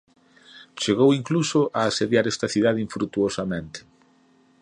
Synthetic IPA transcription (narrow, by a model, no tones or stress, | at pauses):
t͡ʃeɣ̞owiŋklusʊʔaːseðjaɾɛst̪ɐθiðað̞eiɱfɾut̪uosamẽnt̪e̥